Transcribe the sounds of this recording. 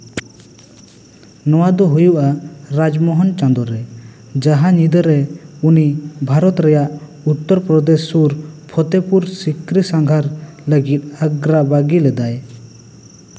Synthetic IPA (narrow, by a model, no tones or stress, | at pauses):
nɔwad̪ɔɦujuʔaɾad͡ʒmɔɦɔnt͡ʃãnd̪ɔɾɛ | d͡ʒaɦaɲid̪əɾɛunibʱaɾɔt̪ɾɛjaʔ | ut̪ːɔɾpɾɔd̪esːuɾpʰɔt̪epuɾsikɾisaŋɡʱaɾləɡit̪̚əɡɾabaɡilɛd̪aj